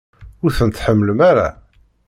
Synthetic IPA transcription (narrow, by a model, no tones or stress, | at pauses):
ʊɾθənt̪ħəmːələmaɾa̰